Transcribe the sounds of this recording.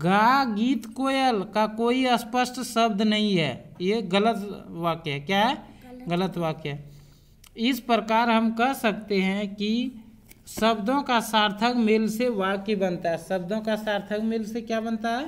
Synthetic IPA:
ɡaːɡiːt̪koːjəlkakoːiəspəsʈsəb̚d̪ʱnəɦĩɦɛːjeɡələt̪waːkɦɛkjaɦɛɡələt̪waːkɦɛ | ɪspɾəkaːɾɦəmkəɦsəkt̪eɦɛ̃ki | səbd̪õkasaːɾt̪ʰəkmɪlseʋaːkebənt̪aɦɛsəb̚d̪ʱõkasaːɾt̪ʰəkmɪlsekjabənt̪aɦɛ

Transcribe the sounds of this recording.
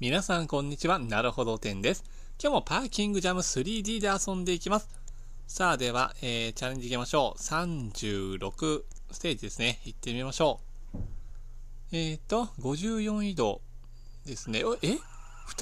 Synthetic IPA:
mʲinasãŋkõ̞ɲ̟ːit͡ɕiβanaɾɯ̟ho̞d̪o̞t̪ẽ̞nd̪e̞sɨ̥ | kʲo̞ːmo̞paːkʲĩŋɡɯ̟ʑamɯ̟sɨɾʲiːd̪ʲiːd̪e̞asõ̞nd̪e̞ikʲimasɨ̥ | saːd̪e̞β̞a̰eːt͡ɕaɾe̞ɲ̟d͡ʑikʲimaɕo̞ːsãɲd͡ʑɨːɾo̞kɯ̟ | sɨ̥t̪e̞ːd͡ʑid̪e̞sɨneit̪ːe̞mʲimaɕo̞ː | eːt̪ːo̞ɡo̞ʑɨːjõ̞id̪o̞ | d̪e̞sɨne̞ʔe | ɸɯ̥

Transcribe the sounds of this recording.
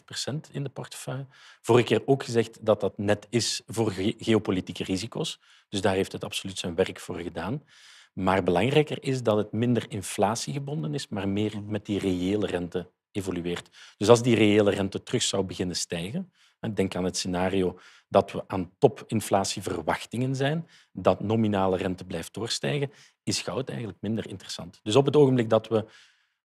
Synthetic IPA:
pərsɛntɪndəpɔrtə̥fœjə | v̥oːrəkeːroːkxəzɛxtdɑt̚dɑtnɛtɪsvoːrɣeopolitikərizikoːs | d̥ɵzdaːrɦeftɦətɑpsolytsɛnʋɛrkfoːrɣədaːn | maːrbəlɑŋrɛjkərɪsdɑtɦətmɪndərɪnflaːsiɣəbɔndənɪsmaːrmɪːrmɛt̚direeːlərɛntə | eːvolyeːrtd̥ɵsɑlˠzdirejeːlərɛntətrɵxsɑwbəɣɪnənstɛjɣən | ɛdɛŋkaːnɦətsenaːrioː | dɑtʋəʔaːntɔpʰɪnflaːsivərʋɑxtɪŋənzɛjn | dɑtnominaːlərɛntəblɛjft̚doːrstɛjɣə | ɪsxɑwtɛ̰jɣənlək̚mɪndərɪ̰ntərəsɑ̰ntd̥ɵs̬ɔp̬ɦətoːɣəmblɪk̚dɑtwə

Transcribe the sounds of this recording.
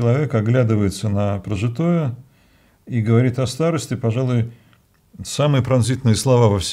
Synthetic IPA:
ɪlˠɐvʲe̞kɐɡlʲæd̪ɨvəjɪt̪sənəpɾəʐɨt̪ojʊ | iɡəvɐɾʲit̪ɐst̪aɾəsʲtʲɪpɐʐalˠʊj | samɨjəpɾɐnzʲit̪nɨjəslˠɐvavɐfsʲ

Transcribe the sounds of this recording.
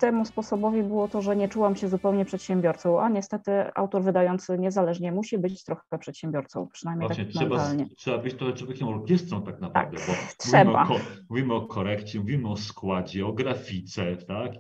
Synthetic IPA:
t̪ɛmuspɔsɔbɔvʲibɘwɔt̪ɔʐɛɲɛt͡ʂuwamɕɛzupɛwɲɛpʂɛt̪ɕɛmbʲjɔɾt̪sɔ̃w̃ʔaɲɛst̪ɛt̪ɘa̰wt̪ɔɾvɘd̪ajɔnt̪sɘɲɛzalɛʐɲɛmuɕibɘt͡ɕt͡ɕt̪ɾɔxɛpɛpʂɛt̪ɕɛmbʲjɔɾt̪sɔ̃w̃pʂɨnajmʲejvat̪aɲɛmʂɛdbaalɲɛtʂɛbabɘt͡ɕt̪ɾɔxɛtwɔvʲjeɛkʲɛmɔɾkʲɛst̪ɾɔ̃w̃t̪aknapɾt̪a̰vd̪ɛbɔt̪ʂmuviɛmba̰ɔmuvʲimɘɔkʰɔɾɛkt͡ɕɛmuvʲimɘɔskwad͡ʑɛɔɡɾafʲit̪sɛt̪ak

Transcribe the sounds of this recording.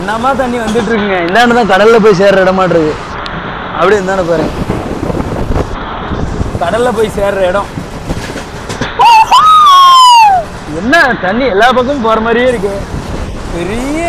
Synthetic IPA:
nːaːmaːt̪ɐɳːiʋɐnd̪ɯʈ̬ːɾɯkːɯŋɡɐɪnːaːnːɯt̪ãːkɐɽɐllɐp̬oːjs̬eːɾɾɐɛɽɐmːaːʈːɾɐðɯ | ɐpːɐɽiɛnd̪aːnɯpoːɾẽː | kɐɽɐllɐpoːjseːɾɾɐɛɽʊ̃ | ɛnːɐt̪ɐɳːiɛlːaːpɐkːɐmp̬oːɾɐmaːd̪ɾɪjaːɪɾɯk̬ːɯ | pɛɾɪjɐ

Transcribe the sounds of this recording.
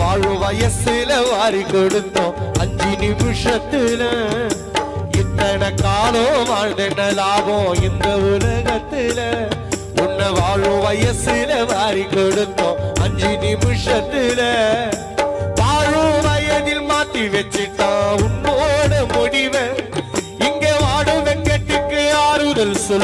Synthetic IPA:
ʋaːɻɯʋɐjɐsɪlɐʋaːɾikɔɽɯnd̪õːɐɲd͡ʒinɪmɪʂɐt̪ːɪlɐ | ɛnd̪ɐnɐkaːloʋaːɻd̪ɐnːɐlaːɣõːɛnd̪ɐʊlɐɣɐt̪ːɪlɐ | ʊnːɐʋaːɻɯʋɐjɐsɪlɐʋaːɾikɔɽɯnd̪õːɐɲd͡ʒinɪmɯʂɐt̪ːɪlɐ | ʋaːɻuʋɐjɐðɪlmaːt̪ːiʋɛt͡ʃːɪʈːãːʊnboːɽɐmʊɽɪʋɐ | ɪŋɡeːʋaːɽɯʋɛŋɡɐʈːɪkːɯaːɾɯðɐlsɔ

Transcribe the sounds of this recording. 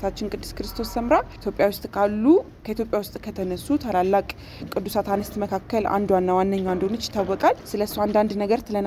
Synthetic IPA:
t̪ʰat͡ʃːɪnkʼɨd̪ːɨskɾɨst̪ʰo̞sːəmɾaʔit̪jo̞pʼjawʊst̪ʼkʰalːu | kʰəit̪ʰʲjo̞pʼjawʊst̪ʼkʰət̪ʰənəsːut̪ʰalalːakʼ | kʼɨd̪ːusat̪ʰanəst̪məkʰakːəlʔa̰nd̪wanːawanːəɲːawand̪onət͡ʃːt̪ʰawːɔkʼalsɨləsːowand̪and̪nəɡəɾt̪ʰɨlən

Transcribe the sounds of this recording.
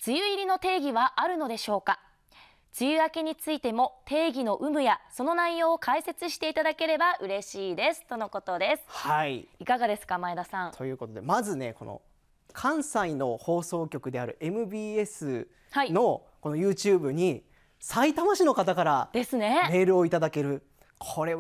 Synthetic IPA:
t͡sɨjɯ̟iɾʲino̞t̪e̞ːɡʲiβaʔaɾɯ̟no̞d̪e̞ɕo̞ːka | t͡sɨjɯ̟ake̞ɲ̟it͡sɨit̪e̞mo̞t̪e̞ːɡʲino̞ʔɯ̟mɯ̟jaso̞no̞naijo̞ːkʰaise̞t͡sɨɕi̥t̪e̞it̪ad̪ake̞ɾe̞baʔɯ̟ɾe̞ɕiːd̪e̞sɨ̥t̪o̞no̞ko̞t̪o̞d̪e̞sɨ̥haiikaɡad̪e̞sɨ̥kamaed̪asãŋt̪ʰo̞jɯ̟ːko̞t̪od̪e̞mazɨne̞ko̞̰no̰ | kʰãɰ̃saino̞ho̞ːso̞ːkʲo̞kɯ̟d̪e̞aɾɯ̟̰ʔe̞mɯ̟bʲiːe̞sɨ | haino̞ | ko̞no̞jɯ̟ːt͡ɕɯːbɯ̟ɲ̟i | sait̪amaɕino̞kat̪akaɾad̪e̞sɨne̞me̞ːɾɯ̟oit̪ad̪ake̞ɾɯ̟ | kʰo̞ɾe̞

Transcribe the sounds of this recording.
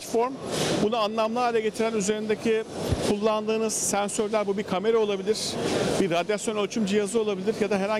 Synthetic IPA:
t̪fo̞ɾmbunuanlˠamlˠaːlʲɛɟe̞t̪ʰiɾænyze̞ɾind̪ecʰikʰulˠːand̪ɯːnɯz̥sænsøɾlʲæɾbubiɾkʰame̞ɾao̞lˠabilʲiɾ̥biɾad̪jasjo̞nølʲt͡ʃʰymd͡ʒijazɯo̞lˠabilʲiɾjad̪aɦeɾa

